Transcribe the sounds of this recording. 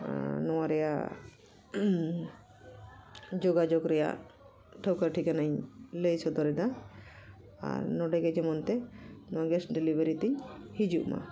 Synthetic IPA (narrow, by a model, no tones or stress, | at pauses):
nɔwaɾɛja̰ | d͡ʒoɡad͡ʒokɾɛja̰ | ʈʰəwkəɾʈʰikanaɲlejsɔd̪ɔɾɛd̪a | a̰ɾnɔɖɛɡɛd͡ʒɛmɔnt̪ɛnɔwaɡɛsʈɖɛlibeɾit̪iɲhid͡ʒuʔma̰